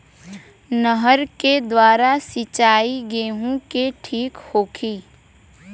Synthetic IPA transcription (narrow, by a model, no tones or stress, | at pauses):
nəɦəɾked̪waːɾasɪt͡ʃaːiɡeːɦũkeʈʰiːkhoːkʰiː